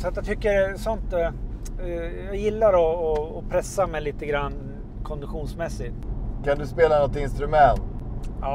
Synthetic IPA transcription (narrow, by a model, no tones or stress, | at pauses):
sat̪jat̪ʰʏkːəɾsɔnt̪ | jɑɡjɪlːaɾɔːpʰɾɛsːamɛjliːt̪əɡɾanː | kʰɔnd̪ɪɧuːnsmɛsːɪt̪kʰand̪ɵspeːlanɔt̪ɪnst̪ɾɵmɛnt̪ | ɑː